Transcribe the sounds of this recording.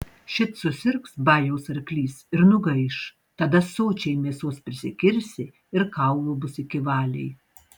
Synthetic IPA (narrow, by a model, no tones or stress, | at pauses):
ʃʲɪt̪sʊsʲɪɾksbɑːjɛʊsɐɾʲklʲiːsɪɾnʊɡɐɪʃ | t̪ɐd̪ɐsoːt͡ʃʲɛɪmʲeːsoːspʲɾʲɪsʲɪkʲɪɾʲsʲɪ | ɪɾkɐˑʊʋubʊsɪkʲɪʋɑːlʲɛ̰ɪ